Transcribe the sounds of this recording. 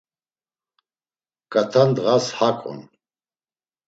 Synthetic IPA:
kʼat̪ʰand̪ʁashakʼɔ̰n

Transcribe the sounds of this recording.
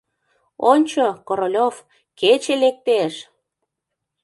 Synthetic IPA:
onʲt͡ɕokoɾolʲof | ket͡ɕelek̚t̪eʃ

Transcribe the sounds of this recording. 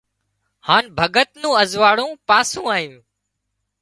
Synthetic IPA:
haːnbʱəɡət̪nũːəzʋaːɽũːpaːsũːaːjũː

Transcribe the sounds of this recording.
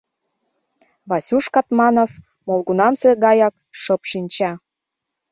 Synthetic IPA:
βɑsʲuʃkɑt̪mɑnof | molˠɣunɑmseɡɑjɑk̚ | ʃɤpʃinʲt͡ɕɑ

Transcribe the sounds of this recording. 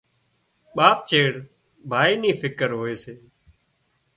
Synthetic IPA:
ɓaːp̚t͡ʃeːɽ | bʱaːiːniːfʰɪkəɾɦoːeːseː

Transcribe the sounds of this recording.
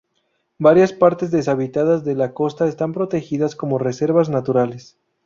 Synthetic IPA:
baɾjaspaɾt̪e̞zðe̞saβit̪aðazðe̞lako̞st̪aest̪ampɾo̞t̪e̞xiðasko̞mo̞re̞se̞ɾβaznat̪uɾales

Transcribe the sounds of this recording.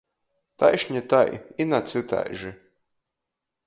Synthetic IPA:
t̪a̰jʃɲʲit̪ajinat̪sɨt̪a̰jʒi

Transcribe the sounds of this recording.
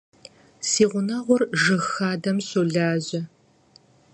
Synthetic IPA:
siːʁʷʊnɐʁʷʊrʒɨxaːdɐmsoɮaːʑɪ

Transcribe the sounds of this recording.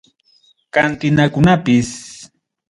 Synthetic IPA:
kant̪ɪnakʊnapɪs

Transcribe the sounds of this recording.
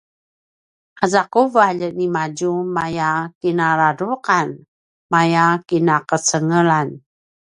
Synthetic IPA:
ʔazakuvaʎənimad͡ʒumajakinaɾaduqan | majakinakət͡səŋəlan

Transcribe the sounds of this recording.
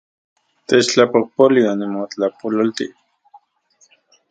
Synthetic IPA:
t̪et͡ʃt͡ɬapopolianimot͡ɬapololt̪ḭ

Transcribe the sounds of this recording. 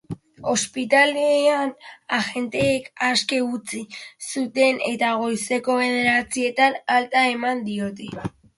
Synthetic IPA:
o̞spit̪aleanaɣe̞nt̪e̞ːkaske̞ut͡sisut̪e̞ne̞t̪aɣ̞o̞jse̞ko̞βe̞ðeɾat͡sie̞t̪analt̪ae̞mand̪io̞t̪e

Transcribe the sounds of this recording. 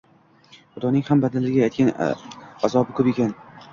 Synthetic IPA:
χʊd̪ɒnɪŋhambad̪alɪɡʲaajt̪kʲanazɒbɪkʰɵpekʲan

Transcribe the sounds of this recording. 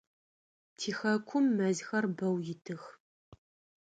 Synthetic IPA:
tʰiːxɐkʷʰʊmːɐzxɐrbɐwjɪtʰɨx

